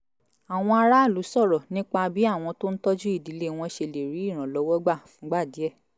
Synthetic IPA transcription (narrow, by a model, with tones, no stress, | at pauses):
a˨w̃ɔ̃˧a˧ɾa˦˨lu˨˦sɔ˦˨ɾɔ˨nĩ˦k͡pa˧bi˨˦a˦˨w̃ɔ̃˧to˦n̩˦tɔ˦d͡ʒu˦i˦˨di˨˦le˦w̃ɔ̃˧ʃe˧le˨ɾi˨˦i˦˨ɾ̃ã˨lɔ˨˦wɔ˦ɡ͡ba˦˨fũ˨˦ɡ͡ba˦˨di˨˦ɛ˦˨